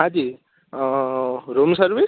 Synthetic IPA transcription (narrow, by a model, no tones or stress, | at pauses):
ãd̪i | ɾomsʌɾbi